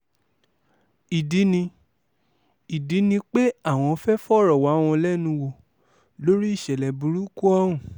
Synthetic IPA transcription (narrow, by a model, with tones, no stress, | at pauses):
i˨di˨˦nĩ˧ | i˨di˨˦nĩ˧k͡pe˦a˦˨w̃ɔ̃˧ɔ˧fɛ˦fɔ˦˨ɾɔ˨wa˨˦w̃ɔ̃˧lɛ˦nũ˧wo˧˨ | lo˦ɾi˦i˦˨ʃɛ˨lɛ˨bu˨ɾu˦ku˦ɔ˦ũ˨